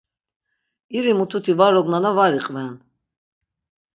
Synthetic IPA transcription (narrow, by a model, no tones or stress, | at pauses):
iɾimut̪ʰut̪ʰivaɾɔɡnanavaɾiqʼvɛn